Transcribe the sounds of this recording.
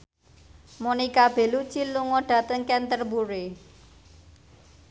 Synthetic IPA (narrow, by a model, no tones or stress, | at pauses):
monikab̥e̤lu̥t͡ʃiluŋɔɖ̥ä̤t̪əŋkɛnt̪ərbuɾe